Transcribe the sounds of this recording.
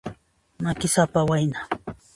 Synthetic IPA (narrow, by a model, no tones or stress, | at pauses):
makɪsapawajna